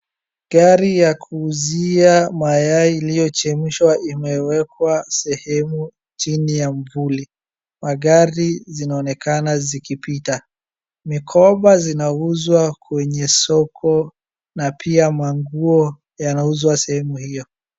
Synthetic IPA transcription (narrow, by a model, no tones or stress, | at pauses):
ɡaɾijakʰuːziamajaiilijɔt͡ʃɛm̩ʃwaʔimɛwɛkwasɛhɛmu | t͡ʃinijamvuli | maɠaɾizinaɔnɛkanazikipita | mikʰɔɓazinauzwakwɛɲɛsɔkʰɔ | napʰiamaŋɡuɔ | janauzwasɛhɛmuhijɔ